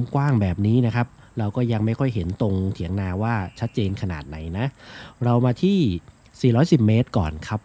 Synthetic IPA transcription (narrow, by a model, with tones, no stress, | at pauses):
mkwaː˥˩ŋbɛː˨˩p̚niː˦˥na˦˥kʰa˦˥p̚ | ɾa˧wkɔː˥˩ja˧ŋma˥˩jkʰɔ˥˩jɦe˩˦nt̪o˧ŋt̪ʰi˩˦əŋnaː˧waː˥˩t͡ɕʰa˦˥t̪̚t͡ɕeː˧nkʰa˧na̰ː˨˩t̪̚na˩˦jna˦˥ɾa˧wmaː˧t̪ʰiː˥˩ | siː˨˩ɾɔː˦˥jsi˨˩p̚meː˦˥t̪̚kɔ̰ː˨˩nkʰa˦˥p̚